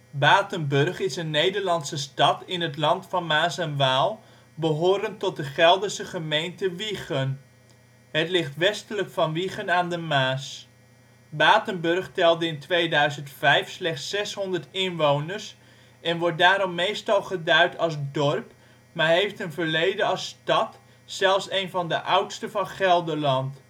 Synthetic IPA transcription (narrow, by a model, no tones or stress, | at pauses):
baːtənbɵrχɪsənːejdəɹlɑnsəstɑtɪnɦətlɑntfɑnmaːsɛnʋaːlˠ | bəɦʊːɾəntɔt̚dəχɛlˠdəsəχəmejntəʋiχən | ɦətlɪχtʋɛstələkfɑnʋiχənaːndəmaːs | baːtənbɵrχtɛlˠdəɪntʋejdœɥzəntfɛjfslɛχtsɛsɦɔndəɹtɪnʋownəɹs | ɛnʋɔɹt̚daːɾɔmːejstɑlˠχədœɥtʰɑlsdɔrp | maːɹɦejftənvəɹlejdəɑstɑt | sɛlˠfsejnvɑndəʔʌwtstəvɑnχɛlˠdəɹlɑnt